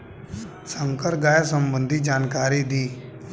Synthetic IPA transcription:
sə̃ŋkəɾɡaːjasə̃mbə̃nd̪ʱid͡ʒaːnkaːɾid̪iː

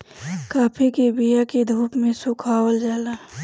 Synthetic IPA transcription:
kaːpʰikebijaked̪ʱuːpmẽsʊkʰaːwəld͡ʒaːlaː

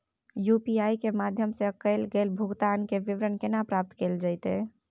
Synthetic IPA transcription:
jupiaikemad̪ʱjəmsekəlɡelbʱuɡt̪ankeʋiʋɾənkenapɾap̚t̪keld͡ʒaɪt̪ḛ

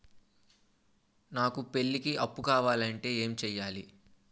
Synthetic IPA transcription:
naːkupe̞lːikiɐpːukaːʋaːlɐɳʈe̞ːeːmt͡ʃɛːjːaːlḭ

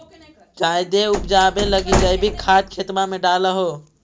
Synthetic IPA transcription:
d͡ʒajd̪eupd͡ʒabeləɡid͡ʒaibʱikʰaːt̪̚kʰet̪mamẽɖaləɦo

